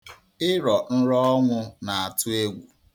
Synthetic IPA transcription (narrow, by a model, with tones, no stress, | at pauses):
ɪ˦ɾɔ˨n̩˦ɾɔ˦ɔ˦ŋʷʊ˦na˨a˨tʊ˦e˦ɡʷu˨